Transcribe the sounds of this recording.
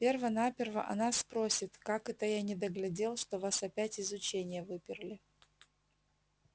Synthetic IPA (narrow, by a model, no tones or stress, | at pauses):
pʲe̞rvənapʲɪrvə̰ʔɐ̰naspɾosʲɪt̪kakɛt̪əjanʲɪd̪əɡlʲɪdʲe̞lˠʂt̪o̞vasɐpʲætʲɪzʊt͡ɕenʲɪjəvɨpʲɪrlʲɪ